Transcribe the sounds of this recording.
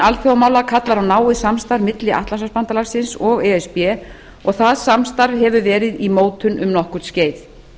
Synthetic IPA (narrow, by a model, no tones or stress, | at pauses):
alθjowmaːwlakʰat̪laɾawnaːwɪðsamst̪aɾvmɪt̪lɪʔa̰ht̪lasaspant̪alaɾ̥sɪnsɔɣɛɛspjɛ | ɔɣθaðsamst̪aɾvhɛvʏvɛːɾɪðimoːwt̪ʏnʔʏmnɔhkʏɾt̪sceːjθ